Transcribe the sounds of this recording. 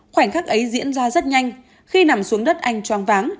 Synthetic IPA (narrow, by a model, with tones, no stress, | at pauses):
xwaː˧˩jŋ̟xaː˦˥k̚ʔə˨˦jzḭ˧˥ənzaː˧zə˦˥t̚ɲa˧jŋ̟ | xi˧na˨˩msu˨˦əŋɗə˦˥t̚ʔa˧jŋ̟t͡ɕwaː˨˧nvaː˨˦ŋ